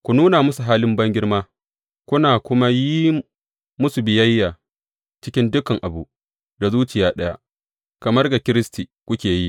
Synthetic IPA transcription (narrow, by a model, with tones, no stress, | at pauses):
kʷu˨nuː˦na˨mʊ˦su˨ɦaː˦lɪ˦mbɐ˦ŋɡʲɪ˦rmaː˦ | kʷʊ˦naː˨kʷʊ˦ma˦ji˦ | mʊ˦su˨bɪ˨jɐ˦jːaː˨ | t͡ʃɪ˦kʲɪ˦ndʊ˦kɐ˨ŋʔa˨bu˨ʔ | da˨zuː˦t͡ʃɪ˨jaː˨˦ɗɐ˦ja̰˦ | kɐ˨mɐ˦rɡa˨kʲɪ˦ɾɪ˦stiː˨kʷʊ˦kʲeː˨ji˦